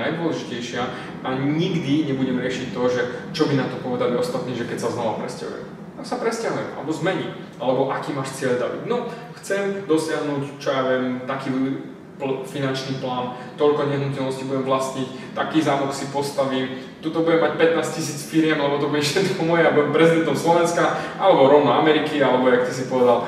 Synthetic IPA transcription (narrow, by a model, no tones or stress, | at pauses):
ajd̪ʊɔlɛʒicɛjʃɪa | ʔaɲiɡd̪iɲɛbuɟɛmɾɪɛʃict̪ɔʒɛt͡ʃɔbinat̪ɔpɔʋɛd̪aliɔst̪at̪niːʒɛkɛcsaznɔʋapɾɛ̰sca̰ɦṵjɛ̰m | amsapɾɛscaɦujɛmʔa̰lɛbɔzmɛɲi | alɛbɔʔakiːmaːʃt͡sɪɛʎd̪abḭɟnɔxt͡sɛmd̪ɔsɪaɦnuːct͡ʃɔjaʋɛmt̪akiː | finant͡ʃniːplaːn | t̪ɔʎkɔɲɛɦnucɛlnɔscibuɟɛmvlasɲic | t̪akiːzaːmuksipɔst̪aʋim | t̪ut̪ɔbuɟɛmːac̚pɛt̪naːscisiːt͡sfiɾjɛmalɛbɔt̪ɔbuɟɛʃɛd̪kɔmɔjɛabuɛmpɾɛzid̪ɛnt̪ɔmslɔʋɛnskaalɛbɔɾɔʊnɔamɛɾikialɛbɔjakt̪is̬ipɔʋɛd̪al